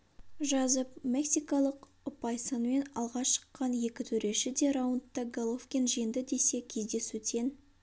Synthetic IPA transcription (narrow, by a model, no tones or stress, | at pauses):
ʒɑzəpmʲe̞ksijkɑlˠəq | ʊpɑjsənme̞nɑ̰lˠʁɑʃə̥qːɑnje̞kʲɪt̪ʰɵɾe̞ʃɪd̪e̞ɾɑwənt̪ːɑɡolˠofkʲenʒijɪnd̪ɪd̪e̞se̞kʲʰe̞zd̪e̞sut̪ʰe̞n